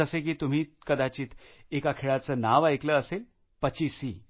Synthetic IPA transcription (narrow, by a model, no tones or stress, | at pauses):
əsek̬iːt̪um̤iːkəd̪at͡ɕiːt̪ekakʰeɭat͡səːnaʋajkləəsel | pət͡ɕiːsiː